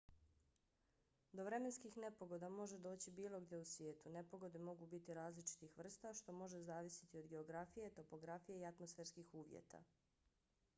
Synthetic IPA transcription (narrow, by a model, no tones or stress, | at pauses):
d̪o̞ʋɾe̞menskixne̞po̞ɡo̞d̪amo̞ʒed̪o̞ːt͡ɕibiːlˠo̞ɡd̪je̞usʋjeːt̪une̞po̞ɡo̞d̪emo̞ɡubit̪iɾaːzlit͡ʃi̥t̪ixʋr̩st̪aʃt̪o̞mo̞ʒezaːʋisi̥t̪io̞d̪ɡe̞oɡɾafijet̪o̞po̞ɡɾafijeiat̪mosfeːɾskixuːʋjḛt̪ʰa̰